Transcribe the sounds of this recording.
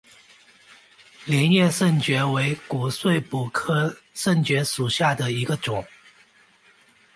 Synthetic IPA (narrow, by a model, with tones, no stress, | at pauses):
ljɛ˧˥njɛ˥˧ʂə˥˩nt͡ɕɥɛ˧˥we˧˥ɪku˨˩swe˥˩ɪpu˨˩kʰɤ˥ | ʂə˥˩nt͡ɕɥɛ˧˥ʂu˨˩ɕja˥˩d̪ə˩i˧˥ɡə˧ʈ͡ʂʊ˨˩˦ŋ